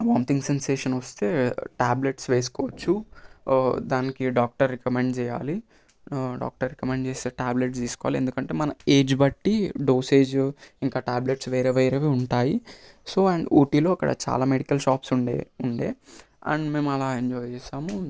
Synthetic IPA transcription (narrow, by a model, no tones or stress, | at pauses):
ʋaːmt̪iŋɡsenseːʂɐnʋɐst̪e̞ːʈaːbleʈsʋeːsu̥kɔːʋɐt͡ʃːu | d̪aːnikiɖaːk̚ʈɐɾːikɐmeɳɖt͡ʃɛːja̰ːli | ɖa̰ːk̚ʈɐɾːikɐmeɳɖt͡ʃeːst̪eːʈaːbleʈsd̪iːsukɔʋaːliend̪ukɐɳʈe̞ːmɐnɐe̞ːd͡ʒbɐʈːiɖo̞ːseːd͡ʒiŋkaːʈaːbleʈsʋeːɾeːʋeːɾeːʋeːuɳʈaːji | so̞ːɐɳɖo̰ːʈiːlo̞ːɐkːɐ̰ɽɐ̰t͡ʃa̰ːlaːmeɽikɐlʃaːpsuɳɖḛːuɳɖḛː | ɐ̰ɳɖme̞ːmɐlaːeɲd͡ʒɔːjt͡ʃɛːʃaːmu